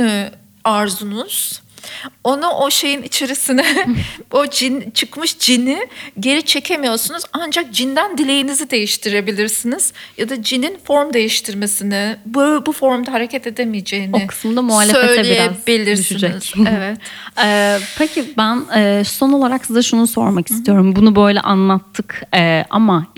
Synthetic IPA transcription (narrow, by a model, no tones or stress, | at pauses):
ɛ | aɾzunuz̥ | o̞nuʔo̞ʃe̞jinit͡ʃʰe̞ɾisinɛod͡ʒint͡ʃʰɯkmɯʃd͡ʒiniɟe̞ɾit͡ʃʰe̞cʰe̞mijo̞sunuzand͡ʒak̚d͡ʒind̪ænd̪ilʲe̞jinizid̪e̞jiʃt̪ʰiɾe̞bilʲiɾsiniz̥jad̪ad͡ʒininfo̞ɾmd̪e̞jiʃt̪ʰiɾme̞sinɪbøbufo̞ɾmd̪aɦaɾe̞cʰɛt̪e̞d̪emijed͡ʒe̞jinoɪkʰɯ̥smd̪amuɦaːllʲːefeøjlʲiijebilʲiɾd̪ysʃyind͡ʒɛizc̪evɛt̪ɛːpʰecʰibænɛːso̞no̞lˠaɾaksizd̪aʃunuso̞̰ɾmaki̥st̪ʰijo̞ɾumbunubø̞jlʲɛ̰ʔanlˠat̪ʰːɯkɛːʔa̰ma